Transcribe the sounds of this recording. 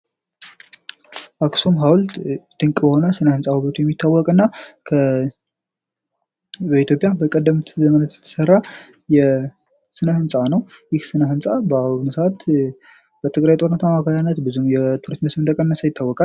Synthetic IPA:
ʔaksumɦawld̪̥ɨŋkʼbəho̞nəsɨnəhɨnsʼahuβət̪ʰujɛmːit̪ʰːawːɔkʼɨnːakʰə | bəit̪ʰjo̞pʼjabəkʼəd̪ːəmt̪ʰzəmənət̪jɛt̪ʰə̥sərːa | jɛ | sɨnəhɨnsʼanəwjɪhsɨnəɦɨnsʼabwnsat̪ | b̥ət̪ʰɨɡɾajt̪ʼo̞ɾnət̪ʰamakʰajanːət̪bɨzumjɛt̪ʰuɾist̪məsmɨnt̪əkʼənːəsəjɪt̪ːawːɔkʼal

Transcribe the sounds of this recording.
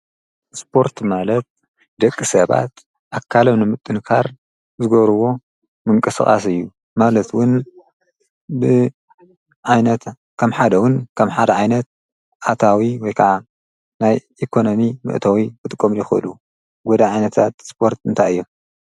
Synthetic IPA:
spʰo̞ɾt̪malɐt̪̚ | d̪ɐkʼːisɐβa̰t̪ | ʔakʰːalɐmnɨmɨt̪ʼːɨnkʰaɾ | zɨɡɐβɾɨwo̞ | mɨŋkʼɐsɨ̰χʼa̰s̬ɨjːu | malɐt̪wʊn | bɨ | ʕajnɐt̪ | kʰɐmħad̪ɐwʊnkʰɐmħad̪ɐʕajnɐt̪̚ | ʔat̪ʰawiwɔjkʰɐʕa | najʔikʰo̞no̞mimɨ̰ʔt̪ʰɐwikɨt̪ʼɨkʼːomjɪxɨʔɨ̰lu | ɡod̪aʕajnɐt̪ʰat̪spʰo̞ɾt̪ɨnt̪ʰajɨjːom

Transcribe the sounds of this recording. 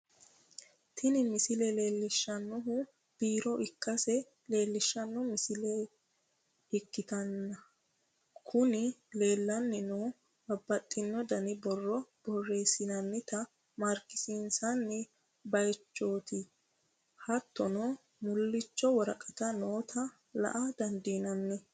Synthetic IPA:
t̪ʰɪnɪmɪsɪlɛle̞ːlːɪʃːɐnːʊɦʊ | b̥iːɾɔʔɪkːɐsɛ | le̞ːlːɪʃːɐnːɔmɪsɪlɛ | ɪkːɪt̪ɐnːɐ | kʰʊnɪle̞ːlːɐnːɪnoː | bɐbːɐt̪ʼːɪnːɔd̪ɐnɪbɔrːɔb̥ɔrːeːsɪnɐnːɪt̪ɐ | mɐɾkːɪ̥sinsɐnːɪ | bɐjt͡ʃːo̞ːt̪ɪ | hɐt̪ːɔnɔ | mʊlːɪt͡ʃːɔwɔɾɐkʼɐt̪ɐnoːt̪ʰɐ | lɐ̰ʔɐd̪ɐnd̪iːnɐnːɛ

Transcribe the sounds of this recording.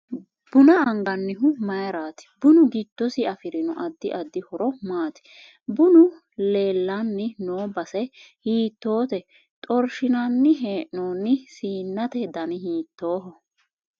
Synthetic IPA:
b̥ʊnɐɐŋɡɐnːɪɦʊmɐjɾaːt̪ɪ̥bʊnʊɡɪt̪ːɔsɪɐfɪɾɪnʊʔɐd̪ːɪʔɐd̪ːɪhɔɾɔmaːt̪ɪ̥ | bʊnʊ | le̞ːlːanːɪnoːbɐsɛhiːt̪ːo̞ːt̪ɛ | t̪ʼɔɾʃɪnɐnːɪɦeːʔnoːnːɪsiːnːɐt̪ɛd̪ɐnɪɦiːt̪ːo̞ːɦɔ

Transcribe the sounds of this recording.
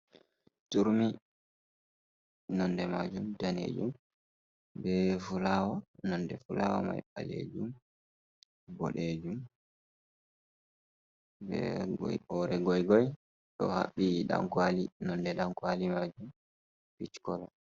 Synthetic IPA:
tuɾmi | nɔndɛmad͡ʒumdanḛːd͡ʒum | bɛfulawanɔndɛfulawa̰ma̰jɓa̰lḛd͡ʒum | ɡɔ̰ɗeːd͡ʒum | bɛ̰ɡɔ̰jɔɾɛɡɔjɡɔj | ɗɔ̰ha̰ɓːiɗa̰ŋkwalinɔndɛɗaŋkwalimad͡ʒum | pit͡ʃkɔla

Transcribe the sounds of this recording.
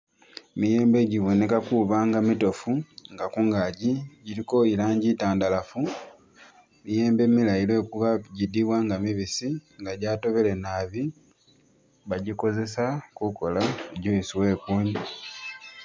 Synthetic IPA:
mije̞ːmbe̞ɟiβo̞ne̞kakuβaːŋɡamito̞fuŋɡakuŋɡaːɟiɟiɾiko̞ilaːɲɟitaːndalafu | mije̞ːmbe̞milajilwe̞ːkuβaɟidiβwaŋɡamiβisiŋɡaɟaːto̞βe̞le̞naːβi | βaɟiko̞ze̞sakuko̞laɟoisiwe̞ːkuːɲi

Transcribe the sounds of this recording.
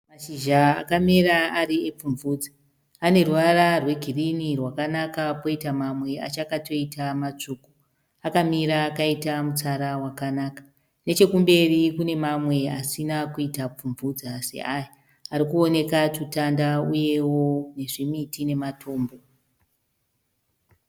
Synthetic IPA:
maʃiʒaa̰kamiɾaaɾiep͡fuɱvuːd͡za | ane̞ruʋararwe̞ɡʱirinirwakanakapo̞itamamwe̞a̰t͡ʃakato̞itʰamat͡ʂuːku̥ | akamiɾaːkaitamut͡saɾawakanaːkḁ | ne̞t͡ʃe̞kumbe̞rikune̞mamwe̞asinakuitap͡fuɱvud͡zase̞̰ʔaja | aɾikuo̞ne̞katutandauje̞wo̞ne̞ʐimitine̞matʰo̞ːmbo̞

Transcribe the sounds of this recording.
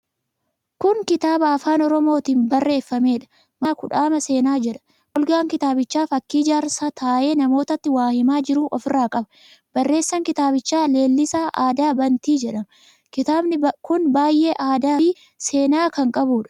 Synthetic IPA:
kʊŋkɪt̪aːbɐɐfaːnɔɾɔmo̞ːt̪iːnbɐrːe̞ːfːɐme̞ːᶑɐ̥ | mɐːkʊᶑaːmɐse̞ːnaːd͡ʒɛᶑɐ̥ | ʔɔlɡaːŋkɪt̪aːbɪt͡ʃːaːfɐkːiːd͡ʒaːɾsaːt̪ʰaːʔe̞ːnɐmo̞ːt̪ɐt̪ːɪwaːhɪmaːd͡ʒɪɾuːʔɔfɪraːkʼɐbɐ̥ | b̥ɐrːe̞ːsːɐŋkɪt̪aːbɪt͡ʃːaːle̞ːlːɪsaːʔaːd̪aːbɐnt̪iːd͡ʒɛᶑɐn | kɪaːbnɪkʊnbaːjʔe̞ːʔaːd̪aːi | se̞ːnaːkɐŋkʼɐbuːᶑɐ̥

